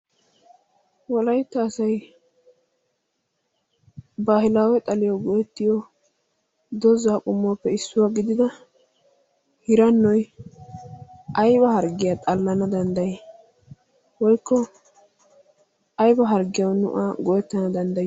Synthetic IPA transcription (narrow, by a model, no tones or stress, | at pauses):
wɔlɐjt̪ːɐːsɐj | baːhɪlaːwɛt̪ʼɐlɪjɔɡɔjɛt̪ːɪjɔ | d̪ɔzaːkʼʊmːɔːpːɛɪsːʊwaɡɪd̪ɪd̪ɐ | hɪɾɐnːɔj | ʔɐjbɐhɐɾɡɪjat̪ʼɐlːɐnɐd̪ɐnd̪ɐje | wɔjkʰːɔ | ɐjbɐɦɐɾɡɪjɐwnʊ̰ʔaːɡɔjɛt̪ːɐnɐd̪ɐnd̪ɐj